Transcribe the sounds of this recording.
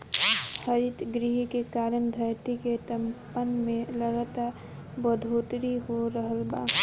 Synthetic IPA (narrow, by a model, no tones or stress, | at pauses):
həɾit̪ɡɾiɦikekaːɾənd̪ʱəɾt̪iket̪əmpənmẽləɡat̪a | bəd̪ʱot̪ɾiɦoɾəɦəlba̰ː